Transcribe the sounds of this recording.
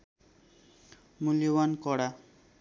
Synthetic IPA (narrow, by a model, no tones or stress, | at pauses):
muljowankɔɽa